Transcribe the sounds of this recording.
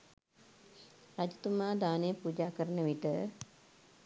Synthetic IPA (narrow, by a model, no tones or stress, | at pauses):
ɾad͡ʒut̪umaːd̪aːnejəpud͡ʒaːkəɾənəʋiʈə